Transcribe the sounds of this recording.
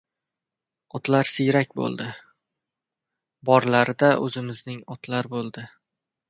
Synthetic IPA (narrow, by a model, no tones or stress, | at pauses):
ɒt̪laɾsɪjɾak̚ʲbo̰lˠd̪ɪ | bɒɾlaɾɪd̪aʔɵ̰zɪmɪznɪŋɒt̪laɾbolˠd̪ɪ